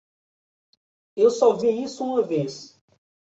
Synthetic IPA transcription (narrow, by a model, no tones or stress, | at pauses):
ewsɔviisʊũmɐves